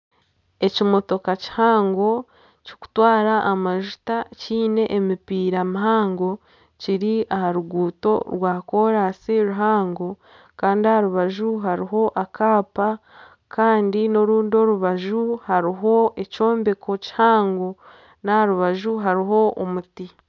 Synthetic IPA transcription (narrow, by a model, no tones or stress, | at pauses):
e̞cimo̞to̞kaci̥haːŋɡo̞ | ci̥ku̥twaːɾaʔːmaʒu̥taciːne̞ʔemipiːɾamiɦaːŋɡo̞ | ciɾiahaɾuɡuːto̞̰ɾwaːko̞ːɾasiɾuɦaːŋɡo̞ | kaːndiahaɾuβaʒuɦaɾiɦo̞ʔakaːpa | kʰaːndino̞ɾuːndio̞ɾuβaʒuhaɾiɦo̞e̞co̞ːmbeko̞ci̥haːŋɡo̞ | nahaɾuβaʒuɦaɾiɦo̞ʔo̰muti